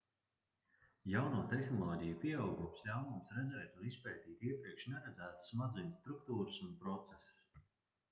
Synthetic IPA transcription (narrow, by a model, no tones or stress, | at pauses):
jawnuːt̪ɛxnɔlˠɔːɟʲɛjupʲiɛawɡuɔmslʲawmumsɾɛd̪zɛːt̪unispɛːt̪iːt̪iɛpɾiɛkʃnɛɾɛd̪zæːt̪sːmad̪zujnʲst̪ɾuk̚t̪uːɾɨsunpɾɔt̪sesu̥s